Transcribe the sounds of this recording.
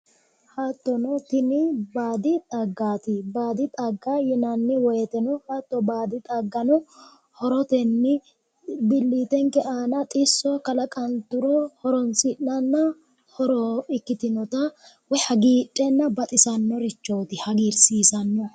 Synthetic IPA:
haːt̪ːɔnɔt̪ɪnɪbaːd̪ɪt̪ʼɐɡːaːt̪ɪbaːd̪ɪt̪ʼɐɡːajɛnɐnːɪwɔjɛt̪ɛnɔhaːt̪ːɔbaːd̪ɪt̪ʼɐɡːɐnɔ | hɔɾɔt̪ɛnːɪ | bɪlːiːt̪ɛŋkɛʔaːnɐt̪ʼɪsːɔkɐlɐkʼɐnt̪ʊɾɔhɔɾɔnsɪʔɐnːɐ | hɔɾɔɪkːɪt̪ɪnɔt̪ɐ | wɛhɐɡiːtʼːɛnːɐbɐt̪ʼɪsɐnːɔɾɪt͡ʃːoːt̪ɪhɐɡiːɾsiːsɐnːɔ

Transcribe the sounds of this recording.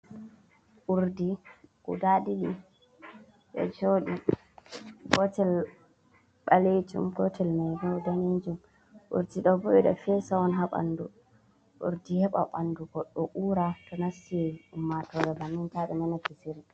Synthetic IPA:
ʔuɾdikṵdaɗiɡi | ɗɛ̰d͡ʒoɗi | ɡɔtɛl | ɓaled͡ʒṵmɡɔtʰɛlmɛjɡɛɔdanend͡ʒum | ʔṵɾdiɗɔbɔɓɛɗɛ̰fɛsaɔnɦaɓa̰ndu | ʔṵɾdihɛɓa̰ɓanduɡɔɗːɔʔuːɾatɔnasieiumːatɔɾɛbanːintaɓɛnɛnakisiɾdɛ

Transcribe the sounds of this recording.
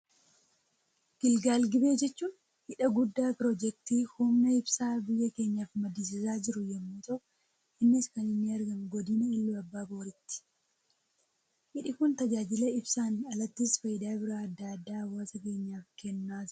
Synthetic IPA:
ɡ̥ɪlɡaːlɡɪbe̞ːd͡ʒɛt͡ʃːuːn | hɪᶑɐɡʊd̪ːaːpɪɾɔd͡ʒɛk̚t̪iːhumnɐɪbsaːbɪjːɐke̞ːɲːaːfmɐd̪is̬ɪsaːd͡ʒɪɾʊjɛmːuːt̪ɐʔ | ɪnːɪskɐnɪnːɪɐɾɡɐmɡɔd̪ɪnɐɪlːuɐbːaːboːɾɪt̪ːɪ̥ | hɪᶑɪkʊnt̪ɐd͡ʒaːd͡ʒɪlɐɪbsaːnɐlɐt̪ːisfɐjɪd̪aːbɪɾaɐd̪ːad̪ːaːwaːsɐke̞ːɲːaːfkɛnːaː

